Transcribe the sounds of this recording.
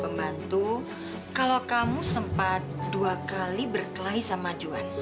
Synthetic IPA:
əmbant̪u | kalokamusəmpat̪̚duakalibərkəlaisamad͡ʒuan

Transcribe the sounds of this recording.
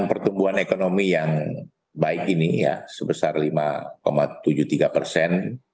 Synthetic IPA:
npərt̪umbuɦanekonomijaŋ | baɪkinija̰səbəsarlima̰komat̪ud͡ʒut̪iɡapərsɛn

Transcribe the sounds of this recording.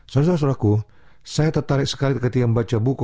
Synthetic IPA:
saɾas̬ɔɾas̬uɾaku | sajat̪ərt̪aɾɪk̚sə̥kalit̪kət̪iaməmbat͡ʃabuk

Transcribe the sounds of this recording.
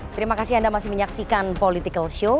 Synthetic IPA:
t̪əɾimakasɪhandamasɪhməɲaksikanpolit̪ikəlʃo

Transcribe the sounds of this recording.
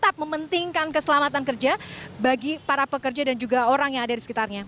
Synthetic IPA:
t̪ap̚məmənt̪iŋkankəsəlamat̪ankərd͡ʒabaɡipaɾapəkərd͡ʒadand͡ʒuɡaoɾaŋjaŋadadisə̥kit̪arɲa

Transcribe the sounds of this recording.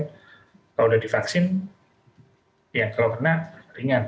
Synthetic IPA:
kawudahdifaksɪn | jakalawkərnariŋan

